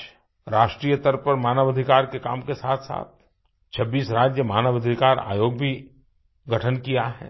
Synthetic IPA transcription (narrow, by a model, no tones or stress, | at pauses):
ɾaːʃʈɾiːjət̪əɾpəɾmaːnəʋəd̪ʱɪkaːɾkeka̰ːmkesaːt̪ʰsa̰ːt̪̚ʰ | t͡ʃʰɐbːiːsɾaːd͡ʒjəmaːnəʋəd̪ʱikaːɾa̰ːjoːɡ̚bʱi | ɡɐʈʰənkijaɦɛ̰ː